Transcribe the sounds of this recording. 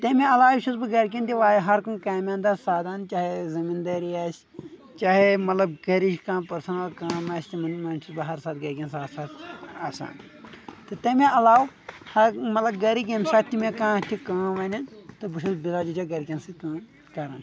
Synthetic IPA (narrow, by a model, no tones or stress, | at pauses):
t̪ɐmʲẽɐlaːwiʃuzbɨɡɐɾk̬ʲint̪iʋaːjɦɐɾkunkaːmʲãːnd̪asaːd̪aːnt͡ʃaːɦezɐmind̪ɐːɾiaːsʲ | t͡ʃaːɦemɐt̪lɐbɡɐɾiʃkãːpɐɾsɐnɐlkaːmaːsʲt̪imɐnmɐnʃʰusbɨɦɐɾsaːt̪ɡɐɾkʲɐnsaːsaːt̪aːsa̰ːn | t̪ɨt̪ɐmeɐlaːw | hɐmɐt̪lɐb̚ɡɐɾikʲɐmsaːt̪t̪imẽkãːtʰikaːʋɐnʲɐnt̪ɨbɨʃusbizaːd͡ʒut͡ʃaɡɐɾkʲinsɨkɐn | kɐɾa̰ːn